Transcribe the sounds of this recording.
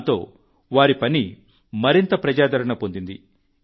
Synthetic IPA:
t̪o̞̰ː | ʋaːɾipɐni | mɐɾint̪ɐpɾɐd͡ʒaːd̪ɐɾɐɳɐpo̞nd̪ind̪ḭ

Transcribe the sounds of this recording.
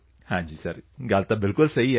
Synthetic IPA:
had͡ʒisaɾŋɡalt̪abɪlkʊlseija

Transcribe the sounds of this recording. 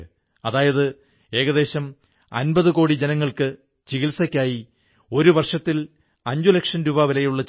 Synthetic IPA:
ɐðaːjɐðɨ | e̞ːɣɐðe̞ːɕɐm | ɐ̰nbɐðɨko̞ːɽid͡ʑe̞nɐŋːɐɭkɨ | t͡ɕiɣilsɐkʲːaːji | o̞ɾuʋɐrʂɐt̪ːil | ɐɲd͡ʑulekʂɐnɾubaːʋilɐjuɭːɐ

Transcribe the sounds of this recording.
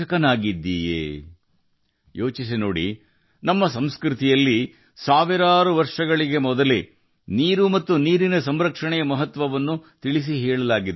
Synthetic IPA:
ɐkɐnaːɡid̪ːiːjḛː | jo̞ːt͡ʃis̬inoːɽḭ | nɐmːɐsɐmskɾut̪ijɐlːi | saːʋiɾaːɾuʋɐɾʂɐɡɐɭiɡe̞mɔd̪ɐle | niːɾumɐt̪ːuniːɾinɐsɐmɾɐkʂɐɳɛjɐmɐɦɐt̪ʋɐʋɐnːut̪iɭis̬iɦɛːɭɐlaːɡid̪

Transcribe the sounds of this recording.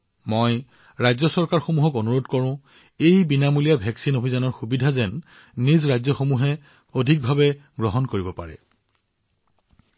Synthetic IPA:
moj | ɹajzɔsɔɹkaɹxomuɦɔkonuɹodkɔɹʊ̃ | ejbinamulijabʱɛksinobʱizanɔɹxubidʱazɛnː | izɹajzɔxomuɦɛ | odʱik̚bʱabɛɡɹɔɦɔnkoɹibɔpa̰ɹɛ̰

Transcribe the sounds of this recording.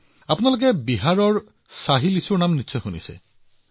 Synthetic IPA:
apunalok̬ɛbiɦaɹɔɹ | saɦilisuɹnamnitːsɔjxunḭsɛ̰

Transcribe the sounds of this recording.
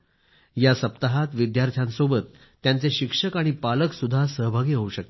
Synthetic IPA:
jasəpt̪aɦat̪ʋid̪jaɾt̪ʰjãnsobət̪ː | jant͡seɕikʂəkaɽ̃ipaləksud̪ʱːasəɦbʱaɡiːɦəuɕək̚t̪e

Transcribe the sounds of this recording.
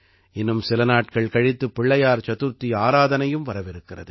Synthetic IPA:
ɪnːɯmsɪlɐnaːʈ̚kɐɭkɐɻɪt̪ːɯpːɪɭːɐjaːɾt͡ʃɐt̪ɯɾt̪ːiaːɾaːðɐnɐjɯmʋɐɾɐʋɪɾɯkːɪrɐðɯ

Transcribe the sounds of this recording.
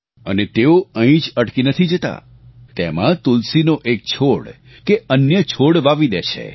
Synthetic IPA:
ə̰net̪eoə̃ĩd͡ʒəʈkinət̪ʰid͡ʒət̪a̰ | t̪ɛmãt̪ulsinoʔek̚t͡ʃʰoɽ | keənjət͡ʃʰoɽʋaʋid̪et͡ʃʰḛ

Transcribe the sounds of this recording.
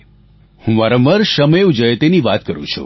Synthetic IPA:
hũmaɾaməɾʃəmeud͡ʒəjet̪eniʋat̪̚kəɾũt͡ʃʰṵ

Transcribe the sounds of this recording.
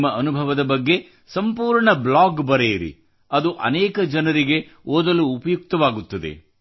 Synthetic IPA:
mːɐʔɐnubʱɐʋɐd̪ɐbɐɡːe̞ | sɐmpuːɾɳɐblaːɡbɐɾeːɾḭ | ɐd̪uʔɐ̰nɛːkɐd͡ʒɐnɐɾiɡe̞oːd̪ɐluːpɐjuk̚t̪ɐʋaːɡut̪ːɐd̪e̞̰

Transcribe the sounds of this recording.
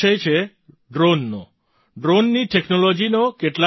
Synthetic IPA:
əjt͡ʃʰe | ɖɾonːo | ɖɾonːiʈeknolɔd͡ʒinokeʈla

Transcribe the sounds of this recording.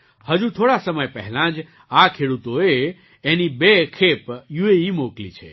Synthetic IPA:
həd͡ʒũt̪ʰoɽasəməjpəɦɛlãd͡ʒ | akʰeɽut̪oe | enibekʰepjueimoklḭt͡ʃʰḛ

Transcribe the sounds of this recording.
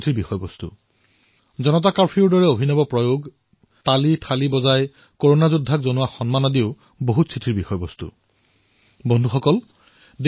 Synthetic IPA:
tʰiɹbixɔjɔbɔst̪ṵ | zɔnɔt̬akaɹpʰiʊɹdɔɹɛobʱinɔbɔpɹɔjoɡ | talitʰalibɔzaj | koɹonazudʱːakzonʊwaxɔnmanɔdiʊ | boɦutsʰitʰiɹbixɔjbɔst̪ṵ | bɔndʱuxɔkɔl | d

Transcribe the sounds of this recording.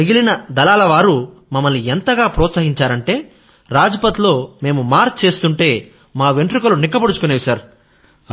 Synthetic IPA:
iɡilinɐd̪ɐlaːlɐʋaːɾu | mɐmːɐlːient̪ɐɡaːpɾɔːt̪sɐːɦiɲt͡ʃaːɾɐɳʈe̞ː | ɾaːd͡ʒɐpɐt̪ilo̞ːme̞ːmumaːɾt̪̚t͡ʃe̞ːst̪uɳʈe̞ː | maːʋeɳʈɾukɐlunikːɐpɐɽut͡ʃu̥koneːʋisɐɾ

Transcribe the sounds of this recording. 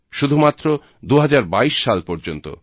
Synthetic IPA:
ʃud̪ʱumat̪ːɾo | d̪uɦad͡ʑaɾbaiʃːalpɔɾd͡ʑont̪o̰

